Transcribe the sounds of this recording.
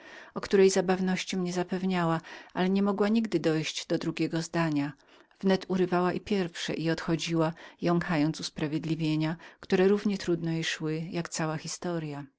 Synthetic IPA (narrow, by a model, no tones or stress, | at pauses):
ɔkt̪uɾɛjzabavnɔɕt͡ɕimɲɛzapɛvɲawaʔalɛɲɛmɔɡwaɲiɡd̪ɘd̪ɔjɕd͡ʑd̪ɔd̪ɾuɡʲɛɡɔzd̪aɲa | v̥nɛt̪uɾɘvawaʔipʲjɛɾfʂɛ̰ʔiɔt̪xɔd͡ʑiwajɔŋkʰajɔnt̪suspɾavʲjed̪lʲivʲjeɲakt̪uɾɛɾuvɲɛt̪ɾud̪nɛiʂwɘjakt̪sawaxʲist̪ɔɾja